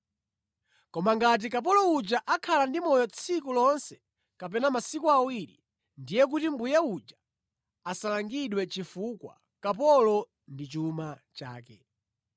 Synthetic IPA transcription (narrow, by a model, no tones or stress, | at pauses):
kɔmaŋɡat̬ik̬ap̬ɔlɔud͡ʒaʔakʰalandimɔjɔt͡sʰikulɔnsɛ̥ | kap̬ɛnamasikuawiɾḭ | ndijɛk̬utimbujaud͡ʒa | asalaŋɡiɗwɛt͡ʃifukwa̰ | kapɔlɔ | ndit͡ʃumat͡ʃa̰ːkɛ̰